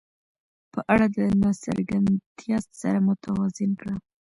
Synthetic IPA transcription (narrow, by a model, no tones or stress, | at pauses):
pəʔaɽad̪ənasa̰ɾɡant̪jɑst̪sa̰ɾamʊt̪ʰawazɪnkɽa